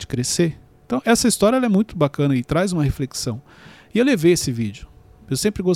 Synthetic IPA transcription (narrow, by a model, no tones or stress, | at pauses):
d͡ʒɪ̥kɾeseẽnt̪ɐ̃w̃ʔɛsɐist̪ɔɾʲjɐɛlɐɛmũj̃t̪ʊbakɐ̃nɐɪt̪ɾazũmɐhefleksɐ̃w̃ | ɪewlevejesɪvid͡ʒʊ | ewsẽmpɾɪɡos